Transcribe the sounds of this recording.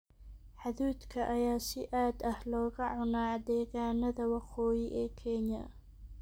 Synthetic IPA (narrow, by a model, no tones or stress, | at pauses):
ħɑðuːd̪kʰɐʔɐjaːsɪʔaːd̪ɐhlɔːɣɐʕʊnaːd̪ɛːɣaːnɐðɐwɑqɔːjɪʔɛːkʰɛnɐ̰